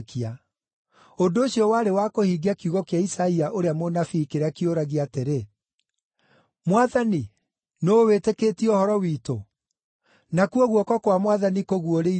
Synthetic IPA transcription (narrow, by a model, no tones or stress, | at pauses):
kia | ondoːɕiɔwaɾewakohiːɡiakiuɣɔkeaisaiaʔoɾeamonafiːkeɾakioɾaɣiateɾe | mwaðani | nowetekeːtiɔhɔɾɔwiːto | nakuɔɣwɔkɔkwamwaðanikoɣuoɾei